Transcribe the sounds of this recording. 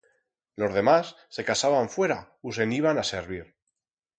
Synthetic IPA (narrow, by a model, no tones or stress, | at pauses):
lo̞zð̞e̞masːe̞kasaβaɱfwe̞ɾa | us̬e̞niβ̞anase̞ɾβiɾ